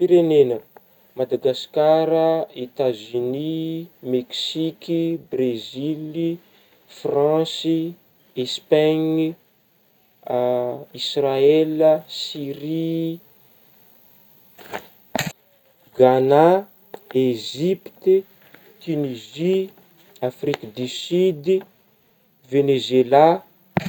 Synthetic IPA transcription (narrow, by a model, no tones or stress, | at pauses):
piɾenenə | mad̪aɡaskaɾəet̪azynimeksikibrezili | frãsi | espaɲ | israelsiɾi | ɡana | eʒipt̪ | t̪ynizi | afrikad̪isyid̪ | venezela